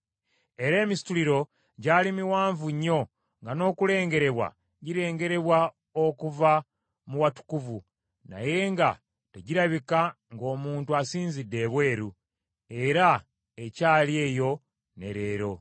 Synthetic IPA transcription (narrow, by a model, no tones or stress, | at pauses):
e̞ɾe̞ːmisi̥tuliɾo̞ | ɟaːlimiwaːɱvuɲːo̞ | ŋɡano̞ːkule̞ːŋɡe̞ɾe̞βwa̰ | ɟiɾe̞ːŋɡe̞ɾe̞βwa | okuva | muwatu̥kuvu | na̰je̞ŋɡa | te̞ɟiɾaβika | ŋɡo̞ːmuːntuasiːnzidːe̞βwe̞ːɾu | e̞ɾa | ecaːlje̞ːjo̞ | ne̞̰ɾe̞ːɾo̞